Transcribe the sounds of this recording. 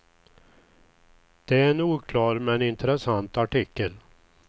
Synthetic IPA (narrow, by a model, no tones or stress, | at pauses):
d̪̥ɛæɾɛnuːkʰlɑːɾmɛnɪnt̪əɾɛsant̪aʈɪkːəl